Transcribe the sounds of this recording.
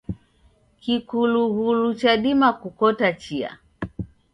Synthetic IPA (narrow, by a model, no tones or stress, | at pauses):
kikuluɣulut͡ʃaɗimakukɔtat͡ʃia̰